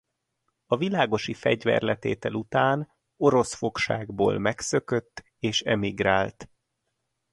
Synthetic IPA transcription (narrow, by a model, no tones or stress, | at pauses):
ɒvilaːɡo̞ʃifɛɟvɛ̰rlɛt̪eːt̪ɛlut̪aːn | o̞ɾo̞sfo̞kʃa̰ːɡbo̰ːlmɛksø̞kø̞t̪ː | eːʃɛmiɡraːlt̪